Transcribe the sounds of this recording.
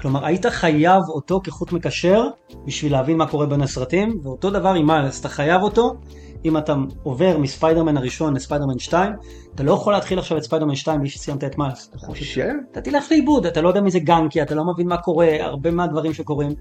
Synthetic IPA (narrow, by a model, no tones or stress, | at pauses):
klo̞maʁaitaχajavo̞to̞keχutmekaʃe̞ʁ | biʃvileavinmako̞ʁebenesʁatimveo̞to̞davaʁimasataχajavo̞to̞ | imataove̞ʁmispajdemenaʁiʃo̞nlespajdemenʃtaim | atalo̞jeχoleːtχilaχʃavetspajdemenʃtaimbliʃe̥sijamtaetmals | atatileχleibudatalojdeɛamizeɡaŋkiatalo̞mevinmako̞ʁe̞a̰ʁbe̞meadvaʁimʃeko̞ʁim